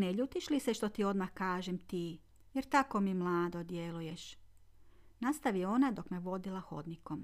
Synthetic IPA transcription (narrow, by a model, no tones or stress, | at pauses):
neʎut̪iʃliseʃt̪o̞t̪io̞d̪maxkaːʒemt̪iː | jeɾt̪ako̞mimlˠaːd̪od̪jelujeʃ | nast̪aʋio̞nad̪o̞kmeʋo̞d̪ilˠaxo̞̰d̪nikom